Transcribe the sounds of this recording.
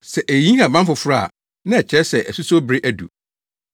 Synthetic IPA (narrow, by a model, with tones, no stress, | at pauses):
sɛ˨ʔæ˨jĩ˦ã˨bã˦m˦fʊ˨fʊ˦ɾa˦˨ | nɪ̃˦ɛ˨t͡ɕʰɛ˦sɛ˨ʔɛ˨su˦so˦bɾe˦ʔæ˨dṵ˨